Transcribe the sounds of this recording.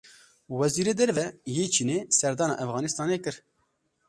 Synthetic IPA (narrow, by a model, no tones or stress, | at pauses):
wɛziːɾeːd̪ɛɾvɛjeːt͡ʃʰiːneːsɛɾd̪ɑːnɑ̰ʔɛfɣɑːnist̪ɑːneːkɨɾ